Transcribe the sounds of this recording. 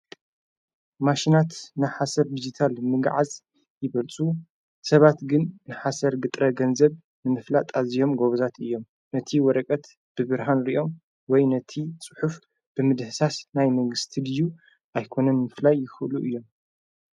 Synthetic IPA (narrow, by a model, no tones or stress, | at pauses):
maʃinat̪nɨħasɐɾd̪id͡ʒit̪ʰalmɨɡʕaz | jɪβɐlt͡sʼu | sɐβat̪ɡɨnnɨħasɐɾɡɨt̪ʼɾɐɡɐnzɐβ | nɨmɨflat̪ʼazijo̞mɡo̞βzat̪ɨjːo̞m | nɐt̪ʰiwɔɾɐkʼɐt̪ | b̥ɨβɨɾɦanɾiʔo̞m | wɔjnɐt̪ʰit͡sʼɨ̥ħuf | b̥ɨmɨd̪hɨsasnajmɐŋɡɨst̪ʰid̪ɨju | ʔajkʰo̞nɐnmɨflajːɪxɨʔluʔɨjːo̞m